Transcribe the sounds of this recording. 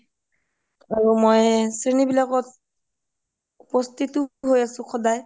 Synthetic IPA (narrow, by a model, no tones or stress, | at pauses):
aɹumojsɹinibilaɡɔt̚ | upɔst̪ʰituɦojasũxʰɔdaj